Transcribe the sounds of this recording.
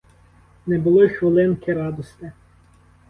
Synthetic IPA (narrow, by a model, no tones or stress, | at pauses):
nɛbʊlˠɔxʋɪlˠɪnkʲɪɾɑd̪ɔst̪ɪ